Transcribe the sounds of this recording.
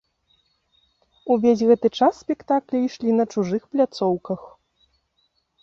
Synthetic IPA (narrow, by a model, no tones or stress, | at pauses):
uvʲezʲɣɛt̪ɨt͡ʂasːpʲɛkt̪aklʲɛiʂlʲinɐt͡ʂuʐɨxplʲat̪sɔwkɐx